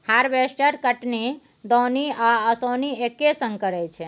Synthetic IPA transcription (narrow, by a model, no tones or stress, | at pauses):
haɾbesʈəɾkəʈni | d̪oniaəsoniekːesə̃ŋɡkəɾɛt͡ʃʰɛ